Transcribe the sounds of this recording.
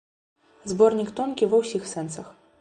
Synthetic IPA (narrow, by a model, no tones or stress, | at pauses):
zbɔrnʲikt̪ɔnkʲivɐwsʲixsɛnsɐx